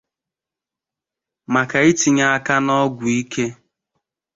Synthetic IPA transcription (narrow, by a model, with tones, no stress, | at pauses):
ma˨ka˨i˦ti˨ɲa˦a˦ka˦nɔ˦ɡʷʊ˨i˦ke˦